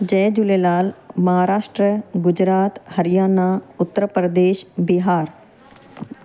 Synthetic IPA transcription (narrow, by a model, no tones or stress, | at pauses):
d͡ʒɛːd͡ʒʊlelaːlmɐɦaːɾaːʃʈɾəɡʊd͡ʒɾaːt̪həɾɪjaːnaːʊt̪ːəɾəpɾəd̪eːʃbɪɦaːɾ